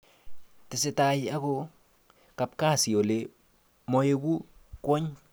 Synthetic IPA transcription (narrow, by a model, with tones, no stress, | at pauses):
tɪ˨sɪ˨ta˨ja˦ko˦ | ka˨p̚ka˦˨si˨o˨le˨ | mɔ˨je˦ku˦kwɔ˦ɲ